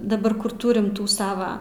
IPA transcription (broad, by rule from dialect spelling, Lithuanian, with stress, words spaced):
dɐˈbɐr ˈkʊr ˈtuːrʲɪm ˈtuː ˈsɑːʋɐ